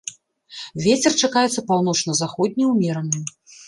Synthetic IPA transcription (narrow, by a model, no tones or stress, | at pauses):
vʲet͡sʲɛrt͡ʂakajɛt̪sɐpawn̪ɔt͡ʂnɐzaxɔd̪ʲnʲiwmʲɛɾɐnɨm